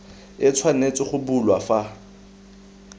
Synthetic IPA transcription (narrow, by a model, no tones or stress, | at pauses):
ɪt͡sʰwanet͡sʼɪχʊbulwafa